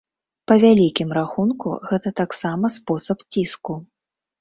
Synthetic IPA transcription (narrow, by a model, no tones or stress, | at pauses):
pɐvʲalʲikʲimɾaxunkṵɣɛt̪ɐt̪aksamɐspɔsɐpt͡sʲisku